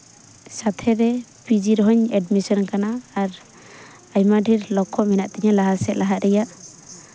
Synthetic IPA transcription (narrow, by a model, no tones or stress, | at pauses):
sat̪ʰɛɾɛpid͡ʒiɾɔɦɔɲɛɖmisɔnkanaːɾ | ajmaɖʱiɾlɔkʰːɔmɛnaʔt̪ɛɲalaɦasɛʔ̪laɦaɾɛjaʔ